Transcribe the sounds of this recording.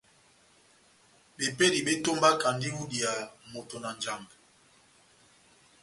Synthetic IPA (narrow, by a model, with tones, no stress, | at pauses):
be˨pe˦di˨be˦to˦mba˦ka˨ndi˦u˦di˨a˨mo˨to˨na˨nd͡ʒa˨ŋɡ